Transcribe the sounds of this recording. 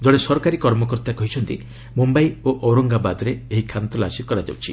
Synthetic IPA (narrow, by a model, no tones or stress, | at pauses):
d͡ʒɔɽ̃esɔɾɔkaɾikɔɾmɔkɔɾt̪akɔɦit͡ʃʰɔnt̪i | mumbaioʔɔwɾɔŋɡabad̪ɔɾeeɦikʰant̪ɔlasikɔɾad͡ʒa̰wt͡ʃʰi